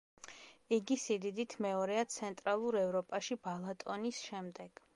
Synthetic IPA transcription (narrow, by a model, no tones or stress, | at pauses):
iɡisid̪id̪it̪ʰmɛɔɾɛat̪sʰɛnt̪ʼɾalˠuɾɛvɾɔpʼaʃibalˠat̪ʼɔnisʃɛmd̪ɛɡ̥